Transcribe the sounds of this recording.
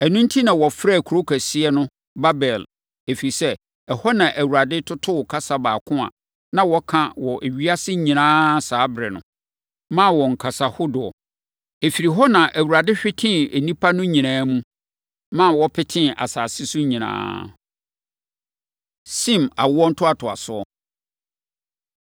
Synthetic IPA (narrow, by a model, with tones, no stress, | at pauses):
ɛ˨nũ˦n̩˦tʰi˦nã˨wɔ˨fɾa˦˨kʰu˨ɾo˦kʰæ˨sɪ˦ɛ˦nʊ̃˦ | ba˦bɛ˨l | e˨fi˨i˨sɛ˦ | ɛ˨hɔ˦nã˨ʔæ˨wu˨ɾa˨dɪ˦tʰʊ˦tʰʊ˦wʊ˨kʰa˦sa˨baː˨kʰʊ̃˦a̰˨ | nã˦wɔ˦kʰã˦wɔ˨ʔe˨ɥi˦a˦sɪ˦ɲĩ˨nãː˦saː˨˦bɾɛ˨nʊ̰̃˨ | mã˦˨wɔ˨ŋ̩˨kʰa˨sa˨hʊ˦dʊ˨ɔ̰˨ | e˨fi˨ɾi˨ɦɔ˦nã˨ʔæ˨wu˨ɾa˨dɪ˦ɕᶣɪ˦tʰɪ̃˦e˨nĩ˦pʰa˦nʊ̃˦ɲĩ˨nãː˦mũ˦ | mã˦˨wɔ˦pʰɪ˦tʰɪ̃˦a̰˨saː˨sɪ˦sʊ˦ɲĩ˨nã̰ː˦ | sĩ˦˨ma˨wʊ˦ɔ˦n̩˦tʰʊ˦a˨tʰʊ˨a̰˨sʊ˦ɔ˦